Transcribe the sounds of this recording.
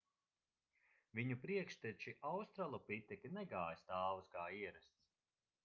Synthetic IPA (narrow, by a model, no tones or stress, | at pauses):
viɲupɾiɛkʃt̪ɛt͡ʃiʔawst̪ɾalˠupit̪ɛkʲinɛɡaːjst̪aːwusɡaːiɛɾɛst̪s